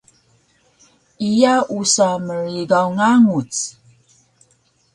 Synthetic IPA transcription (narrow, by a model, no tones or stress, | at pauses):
ijaʔusaməɾiɡawŋaŋut͡s